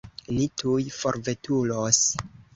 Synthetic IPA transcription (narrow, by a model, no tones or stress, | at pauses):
nitʰujfoɾve̞tulos